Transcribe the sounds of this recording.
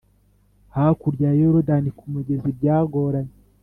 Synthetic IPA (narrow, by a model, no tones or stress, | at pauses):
hakuɾɟajoɾodanikumuɟezibɟaːɡoɾaɲe